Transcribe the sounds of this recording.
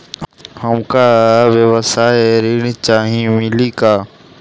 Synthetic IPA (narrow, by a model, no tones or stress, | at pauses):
həmkawewəsaːeɾint͡ʃaːɦĩmɪlikaː